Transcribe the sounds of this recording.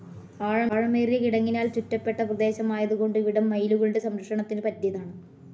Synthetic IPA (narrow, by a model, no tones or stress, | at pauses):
aːɻɐːɻɐmeːrijɐkiɽɐŋːinaːlt͡ɕutːɐpːe̞ʈːɐprɐd̪e̞ːɕɐmaːjɐðuɣo̞ɳɖɨiʋiɽɐmːɐjluɣɐɭuɽe̞sɐmɾɐkʂɐɳɐt̪ːindɨpɐtːjɐðaːɳɨ